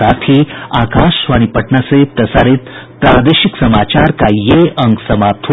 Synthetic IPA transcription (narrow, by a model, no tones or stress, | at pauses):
at̪ʰiːaːkaʃʋaɽ̃ipəʈɳaset̪əsaɾet̪pɾad̪eɕiksəmat͡ɕaɾkajeʔəŋɡsəmap̚t̪ʰ